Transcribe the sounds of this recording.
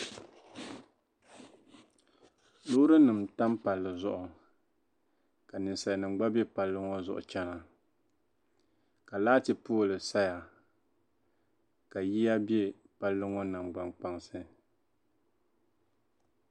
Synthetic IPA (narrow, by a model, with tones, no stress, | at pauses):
lʊ˦ɾɨ˦nɨ˨mta˦mpa˨lːɨ˨zʊ˦ʔʊ˨ | ka˨nɨ˨n˨sa˨nɨ˨ŋ͡mɡ͡ba˦be˦pa˨lːɨ˦ŋo˦zʊ̰˨ʔʊ̰˨t͡ʃɛ˦na˨ | ka˨laː˦tɨ˨poː˦˨lɨ˨sa˦ja˨ | ka˨ji˦ja˦bje˦ | pa˦lːɨ˦ŋo˦nɨ˨mɡ͡ba˨ŋk͡pa˨ŋsɨ˦